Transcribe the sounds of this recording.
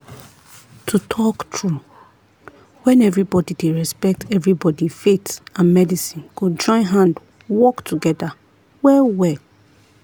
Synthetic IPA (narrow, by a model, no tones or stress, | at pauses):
tʰutʰɔktʰɹu | wɛ̃nɛvɹibɔdideɹɛspɛk̚tʰɛvɹibɔdifetãnmɛdisĩnɡ̥od͡ʒɔ̃ɪ̃nɦãnd | wɔktʰuɡɛda | wɛlwɛl